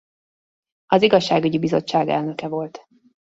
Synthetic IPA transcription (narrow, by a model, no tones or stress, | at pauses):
ɒziɡɒʃːaːɡyɟibizo̞̰t͡ʃːaːɡɛ̰lnø̞kɛvo̞lt̪